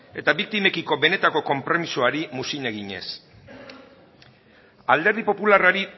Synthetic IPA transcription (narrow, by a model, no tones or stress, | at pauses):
e̞t̪aβik̚t̪ime̞kiko̞be̞ne̞t̪ako̞ko̞mpɾo̞misoaɾimusine̞ɣiɲe̞̰s | ald̪e̞ɾð̞ipo̞pularaɾi